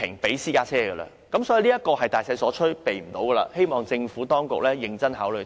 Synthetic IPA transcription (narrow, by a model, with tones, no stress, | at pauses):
ɪ˨˩ŋpe˨˥jsiː˥kaː˧˥t͡sʰɛː˥ɡə˧lɐ̰˧ | kɐ˨˥msɔː˨˥ji˨˧liː˥jɐ˥t̚kɔː˧hɐ˨jt̪aː˨jsɐ˧jsɔː˨˥t͡ʃʰɵ˥pe˨jm̩˨˩t̪o˨˥wɡəː˨˧la̰˧he˥jmɔː˨˩ŋt͡sɪ˧ŋfuː˨˥t̪ɔː˥ŋkʊ˨k̚lɛː˥jɪ˨ŋt͡sɐ˥nɦaː˨˥wlɵ˨˧